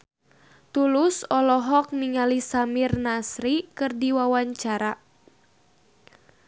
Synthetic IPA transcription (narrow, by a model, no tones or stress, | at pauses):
t̪ulʊsɔlɔɦɔk̚niŋalisamirnasɾikɨrdiwawaɲt͡ʃaɾa